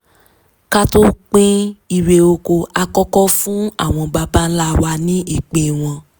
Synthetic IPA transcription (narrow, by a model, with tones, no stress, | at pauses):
ka˦to˦k͡pĩ˦i˧ɾe˧o˧ko˧a˧kɔ˦kɔ˦fũ˦a̰˦˨w̃ɔ̃˧ba˧ba˦la˦wa˧nĩ˦i˦˨k͡pẽ˧˨w̃ɔ̃˧